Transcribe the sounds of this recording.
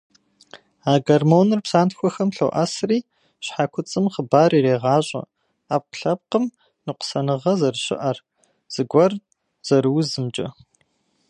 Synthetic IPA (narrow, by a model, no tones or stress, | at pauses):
aːɡɐrmoːnɨrpsaːntxʷɔxɐmɬo̰ʔɐsriː | ɕħakʷʰʊt͡sʼɨmχəbaːriːɾeːʁɑːɕʼɐ̰ | aːp̚qɬɐp̚qəm | nɨqʷʊ̥sɐnɨʁɐzɐrɕɪ̰ʔɐr | z̥ɨɡʷɐr | z̥ɐɾɨwzɨmt͡ʃʼɐ̰